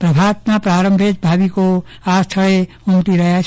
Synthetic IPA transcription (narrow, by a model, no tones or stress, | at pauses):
pɾɐbʱaːt̪napɾaːɾə̃mbʱed͡ʒbʱaːbiko | aːst̪ʰəɭe | ʊmt̪iɾɐɦja